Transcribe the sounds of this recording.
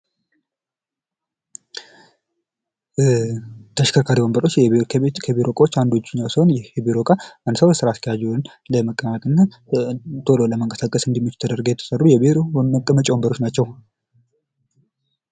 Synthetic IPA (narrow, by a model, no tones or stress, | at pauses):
t̪ʰəʃkʰəɾkʰaɾiwombəɾo̞t͡ʃːkkʰəbiɾo̞kʼawot͡ʃːand̪ot͡ʃːɪɲːawsəhonjɛɛbiɾo̞kʼaʔənd̪səwjɛsɨɾaːst̪əjad͡ʒɛn | ləməkʼːəmat̪ʼɨnːa | t̪ʰo̞loləməŋkʼəsakʼəsɨnd̪iɛmːit͡ʃːɪ̥t̪ʰəd̪əɾɡəjɛt̪ʰə̥sʼərːujɛbiɾoəkʼːəmət͡ʃʼiwombəɾo̞t͡ʃːnat͡ʃːɛw